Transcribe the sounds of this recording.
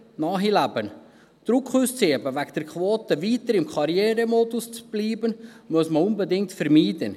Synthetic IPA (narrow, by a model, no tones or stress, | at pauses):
nɑːɦilæbən | d̪̥ɾʊkχuːst͡seːbəvæɡd̥̪ɛɾkχʋoːt̪əviːt̪əɾɪmkʰɑɾjɛːɾəmɔdust͡sb̥liːbənmusməʊnbɛdɪŋk̚tfɛɾmiːdən